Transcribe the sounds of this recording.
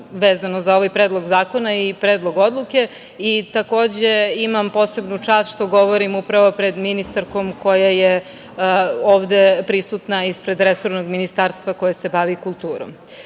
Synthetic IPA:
ʋeːzanozao̞ʋajpɾeːd̪lˠoɡzaːko̞naipɾeːd̪lˠo̞ɡo̞d̪lˠuke̞ | it̪ako̞ːd͡ʑe̞imampo̞ːse̞bnut͡ʃaːst̪ʃt̪o̞ɡo̞ʋoɾimupɾaʋo̞pɾe̞d̪minist̪aɾko̞mkʰo̞jaje | oːʋd̪epɾisut̪naispɾe̞d̪ɾeso̞ɾnoɡminist̪aɾst̪ʋako̞jase̞baʋikulˠt̪uːɾo̰m

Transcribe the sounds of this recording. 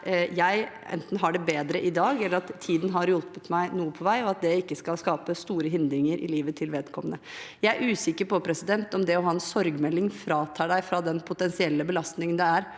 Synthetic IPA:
jæɪɛ̰nt̪n̩ɦɑɖɛbeːd̪ɾəʔɪd̪ɑːɡɛlːəɾɑt̪ʰːiːd̪n̩ɦɑɾjɔlpət̪mæɪnuːəpʰɔʋæɪɔɑt̪̚d̪ɛɪkːəskɑlskɑːpəst̪uːɾəɦɪnd̪ɾɪŋəɾʔɪ̰liːʋət̪ʰɪlʋeːd̪kʰɔmənə | jæɪæɾʔʉːsɪkːəɾpɔpʰɾɛsɪd̪ɛnt̪ɔmd̪ɛɔɦɑːɛnsɔɾɡmɛlːɪŋfɾɑːt̪ʰɑːɖæɪfɾɑd̪ɛnpʰʊt̪ɛnsɪɛlːəbəlɑst̪nɪŋənd̪ɛæɾ

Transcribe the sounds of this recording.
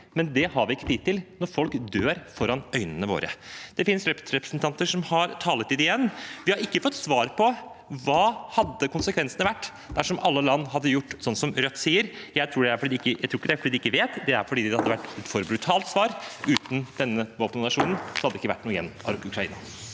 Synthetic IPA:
mɛnd̪ɛhɑɾʋɪɪkːə̥t̪iːt̪ːɪlnɔɾfɔlkd̪øːɾfɔɾɑnœʏnənəʋo̰ːɾʔə̰d̪̥ɛfɪnsɾɛɾɛpɾəsnt̪ʰɑnt̪əʂɔmhɑɾt̪ʰɑːlət̪ɪd̪ɪjɛnːʋɪhɑɾɪkːəfɔt̪ːsʋɑːɾpʰɔ | ʋɑːhɑd̪ːəkʊnsəkʰʋɛnsənəʋæʈː | d̪̥æʂɔmʔɑlːəlɑnːɦɑd̪ːəjʊʈːsɔnːsɔmɾœt̪ːsiːəɾjæɪt̪ʰɾuːɖɛæɾfɔɖiːd̪ɪkːəjæɪt̪ʰɾːɪkəd̪æɾfɔɖid̪ɪkːəʋeːt̪d̪ɛæɾfɔɖiːd̪ɛhɑd̪ːəʋæʈːɛt̪fɔɾbɾʉt̪ʰɑːlt̪sʋɑːɾʉːt̪n̩d̪̥ɛnːəʋoːpənnɑʂuːnnsɔhɑd̪ːəɪkːəæ̰ʈːnuːɪɛ̰nːɑʉkʰɾɑḭːnɑ

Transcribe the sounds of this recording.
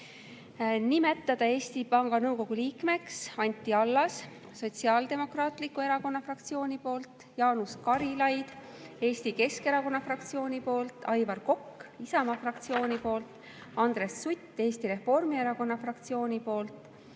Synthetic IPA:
nime̞t̪ːˑɑd̪̥ɑe̞ːst̪ipɑŋɡ̥ɑnɤuwko̞ɡ̥uliːkme̞ksɑnʲt̪ʲːˑiɑlːɑs | so̞tʲsiɑld̪e̞mo̞krɑːt̪likːˑue̞ɾɑko̞nːɑfrɑkt̪sio̞ːnʲipo̞ːlt̪ˑ | jɑːnuskɑɾilɑjd̪̥ | e̞ːsʲt̪ike̞ske̞ɾɑko̞nːɑfrɑk̚t̪sio̞ːnʲipo̞ːlt̪ˑɑjvɑrko̞kːisɑmɑfrɑk̚t̪sio̞ːnʲipo̞ːlt̪ | ɑnd̪̥ɾe̞sːut̪ʲːˑe̞ːst̪iɾe̞fo̞rmie̞ɾɑko̞nːɑfrɑkt̪sio̞ːnʲipo̞ːlt̪ˑ

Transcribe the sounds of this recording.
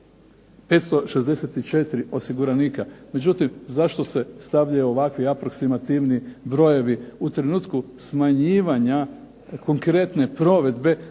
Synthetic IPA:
pe̞t̪st̪o̞ʃezd̪e̞set̪it͡ʃe̞t̪iɾio̞siɡuɾaniːkame̞d͡ʒut̪imzaʃt̪o̞se̞st̪aʋʎajuoʋakʋiapɾo̞ksimat̪iʋnibɾo̞je̞ʋiut̪ɾe̞nuːt̪kusmaɲiːʋaɲa | ko̞ŋkɾe̞t̪ne̞pɾo̞ʋe̞d̪be̞

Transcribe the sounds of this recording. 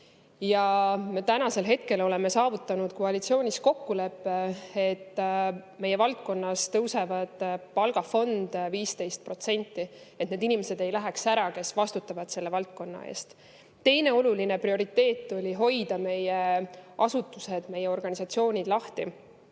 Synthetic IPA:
jɑme̞t̪ænɑse̞lɦe̞t̪̚ke̞lo̞le̞me̞sɑːvut̪ˑːɑnud̪̥koɑlit̪sio̞ːnʲisko̞kːule̞pːeet̪ːme̞je̞vɑlt̪̚ko̞nːɑst̪ɤwse̞vɑd̪̥pɑlɡ̥ɑfo̞nd̪̥viːst̪e̞jst̪̚pro̞t̪se̞nʲt̪ːˑie̞t̪ne̞d̪inimese̞d̪e̞jlæɦeksæɾɑke̞svɑst̪ut̪ːˑɑvɑd̪̥se̞lːe̞vɑlt̪̚ko̞nːɑ̰ḛːst̪ | t̪ːe̞jne̞oluline̞prio̞ɾit̪ːe̞ːt̪ːˑo̞lʲiɦo̞jd̪̥ɑme̞jeʔɑsut̪ːˑuse̞d̪̥me̞jːeo̞rɡ̥ɑnʲisɑt̪sio̞ːnʲid̪̥lɑht̪i

